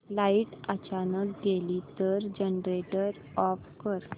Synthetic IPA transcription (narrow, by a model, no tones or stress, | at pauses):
laiʈət͡ɕanək̚ɡeliːt̪əɾd͡ʑənɖɾeʈəɾ | ɔfkəɾ